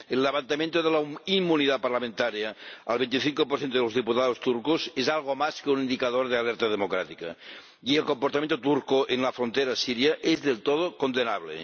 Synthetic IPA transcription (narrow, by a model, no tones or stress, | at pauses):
elːeβant̪amjent̪oðelaimːuniðapaɾlamẽnt̪aɾjaːlβent̪iθiŋkop̬oɾθjent̪oelozðiput̪aðost̪uɾkozezalɣ̞omaskeunind̪ikaðoɾðealeɾt̪aðemokɾat̪ika̰ | ielkompoɾt̪ament̪ot̪uɾkoʔenlafɾont̪eɾasiɾjaʔezðelt̪oð̞okond̪enaβlḛ